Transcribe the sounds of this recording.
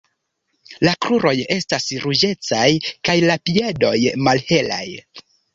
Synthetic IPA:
lakɾuɾo̞je̞stasɾud͡ʒe̞t͡sajkajlapie̞do̞jmalhe̞la̰j

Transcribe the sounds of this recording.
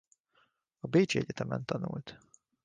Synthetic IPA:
ɒbeːt͡ʃiɛɟɛt̪ɛmɛ̰nt̪ɒnṵlt̪

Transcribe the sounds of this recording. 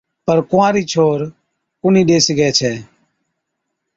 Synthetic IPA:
pəɾkʊãːɾiːt͡ʃʰoːɾ | kʊnĩːɗeːsiɡɛːt͡ʃʰɛː

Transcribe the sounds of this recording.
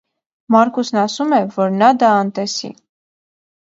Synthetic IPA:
mɑɾkusnɑsumɛvɔɾnɑd̪ɑːnt̪ɛsḭ

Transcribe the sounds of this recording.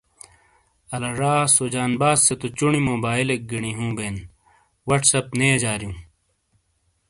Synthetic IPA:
ɐlɐɾaːsoːd͡ʑaːnbaːsːet̪ot͡ɕuɳimoːbaːilek̚ɡiɳiɦũːbeːn | wɐʈsɐpneːd͡ʑaːɾijũː

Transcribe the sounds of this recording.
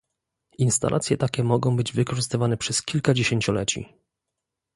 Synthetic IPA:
inst̪a̰lʔa̰t̪sʲjɛt̪akʲɛmɔɡɔ̃w̃bɘd͡ʑvɘkɔʐɘst̪ɘvanɛpʂɛskʲilkad͡ʑeɕeɲt͡ɕɔlɛt͡ɕḭ

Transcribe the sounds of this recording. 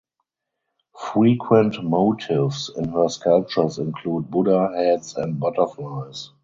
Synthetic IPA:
fɹiːkʰwɛ̃ntmoʊtʰɪvsɪ̰̃nhɜ˞skʰalp̚t͡ʃə˞sɪ̃nkʰluːd̚bʊdəhɛdsɛ̃nt̚bɔtə˞flas

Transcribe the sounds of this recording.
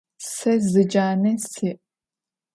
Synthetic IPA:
sɐzɨd͡ʒaːnɐsɨʔ

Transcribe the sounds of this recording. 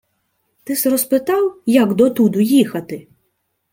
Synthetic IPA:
t̪ɪsrɔspɪt̪ɑwjɐɡd̪ɔt̪ud̪ʊjixɐt̪ɪ

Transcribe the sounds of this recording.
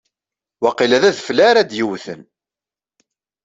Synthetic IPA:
wɑqilæðæðflæɾæd̪jiwθə̰n

